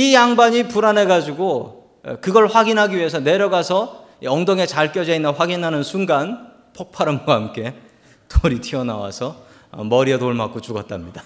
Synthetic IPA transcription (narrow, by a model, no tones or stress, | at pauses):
ijaŋbaɲipuɾanɦe̞ɡad͡ʑiɡo̰ | kɯɡʌɭɸwaɡinɦaɡiɥie̞s̬ʰʌne̞ɾjʌɡasʰʌ | iʌŋdoŋe̞t͡ɕaɭk͈jʌd͡ʑeinːɯnɸwaɡinɦanɯnsʰunɡan | pʰok̚pʰaɾɯmɡwahamk͈e̞ | toɾitʰiʌna̰wa̰sʰʌ | ʌ̰mʌɾietoɭma̰k͈ot͡ɕuɡʌt͈̚amɲida